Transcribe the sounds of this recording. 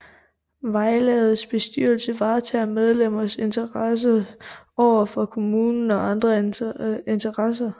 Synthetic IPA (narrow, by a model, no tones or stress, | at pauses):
ʋɑ̈ɪlɛːð̩ˠsb̥e̝sd̥yɐ̰lsəʋɑ̈ːt͡sʰɛmeð̞ˠlem̰ɐse̝nt͡sʰɐʁɑs̬əɒʊ̰ɐfʁɒkʰo̝muːnn̩ɒ̽ʔɑ̈nd̥ʁɐ | ent͡sʰɐʁɑsɐ